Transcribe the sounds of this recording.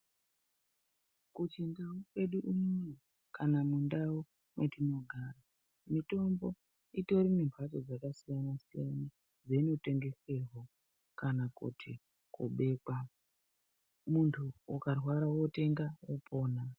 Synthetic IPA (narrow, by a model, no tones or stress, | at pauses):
kut͡ʃindaokwe̞ɗuʔumojo | kanamundawo | metino̞ɡʱara | mito̞mbo̞ | ito̞ɾimimbʱat͡ʃo̞d͡zakasijanasijana | d͡zeino̞te̞ŋɡe̞serɦo | kanakṵtʰi | kṵɓe̞ːka | muntʰuukarwaɾawo̞te̞ŋɡawopo̞ːna